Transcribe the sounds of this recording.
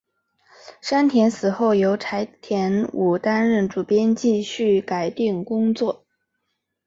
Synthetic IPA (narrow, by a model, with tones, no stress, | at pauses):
ʂa˥nt̪ʰjɛ˧˥nsɹ̩˨˩xo˥˩ʊjo˧˥ʊʈ͡ʂʰa˧˥ɪt̪ʰjɛ˧˥nu˨˩t̪a˥nɻə˥˩nʈ͡ʂu˨˩pjɛ˥nt͡ɕi˥˧ɕy˥˩ka˨˩ɪt̪i˥˩ŋkʊ˥ŋt͡swɔ˥˩